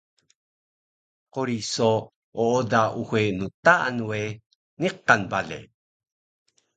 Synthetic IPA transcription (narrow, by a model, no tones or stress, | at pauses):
qoɾiso | oodauxenut̪aa̰nwe | niqːanbalḛ